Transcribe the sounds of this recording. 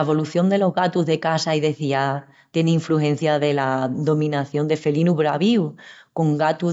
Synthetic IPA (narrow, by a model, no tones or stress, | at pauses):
eβo̞luθjo̞nd̪e̞lo̞ɦɣat̪uɦðe̞kasaiðe̞θia | t̪je̞neiɱfluhẽ̞n̟θjaðe̞laðo̞mĩnaθjo̞nd̪e̞fe̞linuβɾaβiwko̞ŋɡat̪u